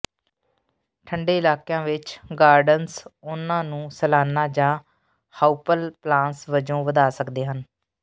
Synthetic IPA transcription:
ʈʰəɳɖeːɪlaːkjãːʋɪt͡ʃɡaːɾɖənsʊnãːnũːsəlaːnãːd͡ʒãː | haːupəlplãːnsʋəd͡ʒõːʋəd̪aːsəkd̪eːɦən

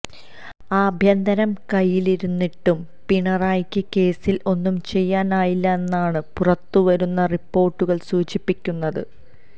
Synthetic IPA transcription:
aːbʱjɐnd̪ɐnɐmkɐjːiliɾunːiʈːum | piɳɐraːjkʲːɨke̞ːsilo̞nːumt͡ɕe̞jːaːnaːjilːɐe̞nːaːɳɨpurɐt̪ːuʋɐɾunːɐripːo̞ːrʈːuɣɐɭsuːt͡ɕipːikʲːunːɐðɨ̰

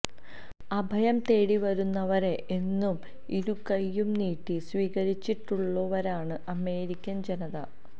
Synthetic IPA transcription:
ɐbʱɐjɐmt̪e̞ːɽiʋɐɾunːɐʋɐɾe̞ʔenːum | iɾukɐjːumniːʈːisʋiːɣɐɾit͡ɕːiʈːuɭːuʋɐɾaːɳɨʔɐme̞ːɾikʲːɐnd͡ʑenɐðɐ̰

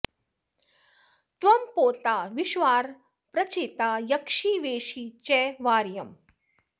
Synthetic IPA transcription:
t̪ʋɐmpoːt̪aːʋiʃʋaːɾ | pɾɐt͡ʃeːt̪aːjɐkʂiːʋeːʃiːt͡ʃɛːʋaːɾjɐm

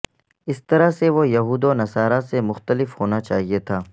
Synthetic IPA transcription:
ɪst̪ɐɾaseʋojɐɦuːd̪onɐsaːɾasemʊxt̪əlɪfhoːnat͡ʃa̰ːɦiet̪ʰaː

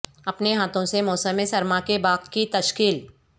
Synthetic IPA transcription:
ɐpneɦaːt̪õsemɔːsəmːẽsɐɾmakebaːqkit̪ɐʃkiːl

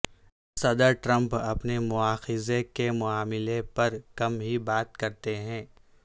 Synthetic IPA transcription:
sɐd̪əɾʈɾɐ̃mpɐpnemʊaːxɪzekemʊaːmɪlepɐɾkɐmɦibaːt̪̚kɐɾt̪eɦɛ̃ː

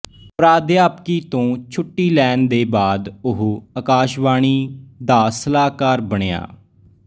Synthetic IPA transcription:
pɾaːd̪jaːpkiːt̪õːt͡ʃʰʊʈːiːlɛːnd̪eːbaːd̪ʊɦəkaːʃbaːɳ̃iːd̪aːsəlaːkaːɾbəɳ̃eja̰ː

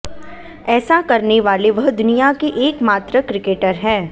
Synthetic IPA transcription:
ɛːsakɐɾneʋaːleʋɐɦd̪ʊnijakeʔeːkmaːt̪ɾəkɾɪkeːʈəɾɦɛ̃ː

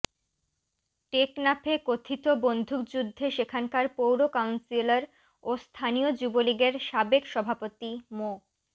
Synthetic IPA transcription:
ʈeknapʰekot̪ʰit̪obond̪ʱuk̚d͡ʑud̪ʱːeʃekʰankaɾpowɾokawnsilaɾ | ost̪ʰaniod͡ʑuboliɡeɾʃabekʃɔbʱapot̪imo

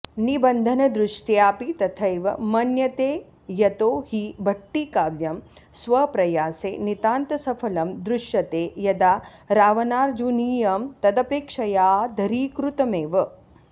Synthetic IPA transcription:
nibɐnd̪ʱɐnɐd̪ɾuʂʈjaːpit̪ɐt̪ʰɐjʋɐ̰mɐnjɐt̪eː | jɐt̪oːhibʱɐʈːikaːʋjɐm | sʋɐpɾɐjaːsḛːnit̪aːnt̪ɐsɐfʰɐlɐmd̪ɾʊʃjɐt̪eːjɐd̪aːɾaːʋɐnaːɾd͡ʒuniːjɐmt̪ɐd̪ɐpeːkʂɐjaːd̪ʱɐɾiːkɾut̪ɐmeːʋɐ

